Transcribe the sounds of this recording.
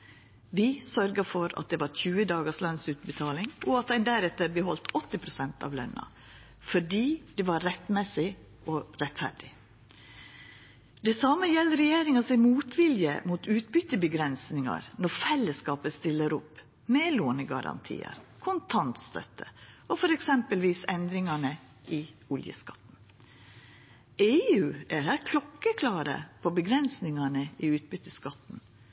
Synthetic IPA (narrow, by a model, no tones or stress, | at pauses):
ʋɪsœɾɡəfɔɾɑ̰t̪̚d̪ɛːʋɑɾçʉːəd̪ɑːɡəslɑnsʉːt̪̚bət̪ʰɑːlɪŋɔɑt̪æɪnd̪æɾɛt̪ːəɾbəɦɔlt̪ʰɔt̪ːɪpʰɾʊsɛnt̪ɑ̰ːʋlœ̰nːɑ̰ | fɔɖiːd̪̥ɛʋɑɾːɛt̪mɛsɪ | ɔɾɛt̪fæ̰ɖɪ | d̪̥ɛsɑːməjɛlːəɾɛjeːɾɪŋɑsɪmuːt̪ʋɪljə̰muːt̪ʰʉːt̪bʏt̪ːəbəɡɾɛnsnɪŋɑ̰ɾnɔɾfɛlːəskɑːpəst̪ɪlːəɾʊpː | meːloːnəɡɑ̰ɾɑ̰nt̪ʰḭːə̰ɾkʰʊnt̪ʰɑnt̪st̪ʰœ̰t̪ʰəɔfɔɾɛksɛmpəlʋiːsɛnd̪ɾɪŋɑɳə | ʔɪʊljə̰skɑ̰t̪n̩ | eːʉːʔæɾhæːɾkʰlɔkːəkʰlɑːɾə̰pʰɔbəɡɾɛnsnɪŋɑɳəɪʉːt̪̚bʏt̪ːəskɑt̪ːn̩